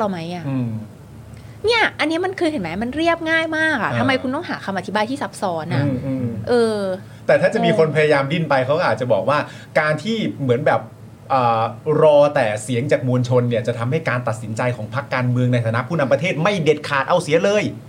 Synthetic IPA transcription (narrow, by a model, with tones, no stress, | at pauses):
la˧˩ma˦˥jʔa˨˧˩ʔɯː˧m | ni˥˩ɐʔa˧nːi˦˥ma˧nkʰɯː˧hɦe˩˦nma˦˥˩ma˧nɾi˥˩əp̚ŋaː˥˩jmaː˥˩k̚ʔa˨˩t̪ʰa˧mːa˧jkʰu˧nt̪ɔ˥˩ŋɦaː˩˦kʰa˧mʔa˧t̪ʰi˦˥baː˧jt̪ʰiː˥˩sa˦˥p̚sɔː˨˧˥nːa˧˥˧ʔɯ˧ʔɤː˧ | t̪ɛː˨˩t̪ʰaː˥˩t͡ɕa˨˩miː˧kʰo˧npʰa˧jaː˧jaː˧mdi˥˩npa˧jkʰa˦˥wkʔaː˨˩t͡ɕa˨˩bɔː˨˩k̚waː˥˩ | kaː˧nt̪ʰiː˥˩mɯ˩˦ənbɛː˨˩p̚ | ʔəː˨˩ɾɔː˧t̪ɛː˨˩si˨˩˦əŋt͡ɕaː˨˩k̚mu˧nt͡ɕʰo˧nːi˥˩ɐt͡ɕa˨˩t̪ʰa˧mha˥˩jkaː˧nt̪a˨˩t̪̚si˩˦nt͡ɕa˧jkʰɔː˩˦ŋpʰa˦˥kːaː˧nmɯ˧əŋna˧jt̪ʰaː˧na˦˥pʰuː˥˩na˧mpɾa˧t̪ʰeː˥˩t̪̚ma˥˩jde˨˩t̪̚kʰaː˨˩t̪̚ʔa˧wsi˨˦əlɤː˧j